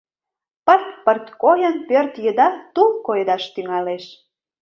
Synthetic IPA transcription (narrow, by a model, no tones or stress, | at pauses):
pərt̪pərt̪kojənpørt̪jəd̪ɑt̪ulkojd̪ɑʃt̪yŋɑleʃ